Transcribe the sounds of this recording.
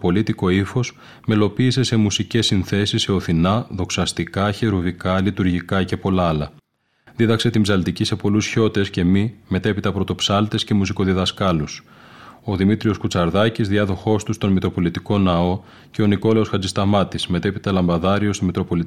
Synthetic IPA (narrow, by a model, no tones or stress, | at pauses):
po̞lit̪iko̞ifo̞s | me̞lo̞piːse̞se̞musice̞sːinθe̞sisːe̞o̞θinɐðo̞ksɐst̪ikɐçeɾuvikɐlit̪uɾʝikɐce̞po̞lɐɐlɐ | ðiðɐkse̞t̪imbzɐlt̪icise̞po̞lusço̞t̪e̞sce̞mime̞t̪epit̪ɐpɾo̞t̪o̞psɐlt̪e̞sce̞musiko̞ðiðɐskɐlus | o̞ðimit̪ɾio̞skut͡sɐɾðɐcizðiɐðo̞xo̞st̪ust̪o̞nmit̪ɾo̞po̞lit̪iko̞nɐo̞ | ce̞o̞niko̞le̞o̞sxɐd͡zist̪ɐmɐt̪isme̞t̪epit̪ɐlɐmbɐðɐɾio̞st̪imit̪ɾo̞po̞lit̪